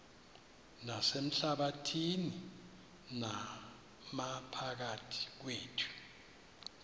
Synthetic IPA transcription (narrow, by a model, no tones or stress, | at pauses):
nasem̩ɬaɓatʰini | na | mapʰak̬atʰi̥k̬weːtʰu̥